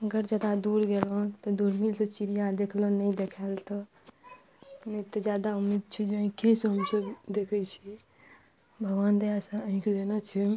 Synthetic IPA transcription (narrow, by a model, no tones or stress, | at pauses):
əɡəɾd͡ʒad̪ad̪uɾɡelɔ̃t̪ɔd̪uɾmilset͡ʃiɾijad̪ekʰlɔnəĩd̪ekʰɛlt̪ɔ | nət̪ɔd͡ʒjad̪aumid̪̚t͡ʃʰɛd͡ʒeə̃ɦĩkʰeseɦəmsəbd̪ekʰɛt͡ʃʰi | bʱəɡʋaːnd̪ejasə̃əɦĩkʰed̪enət͡ʃʰɛ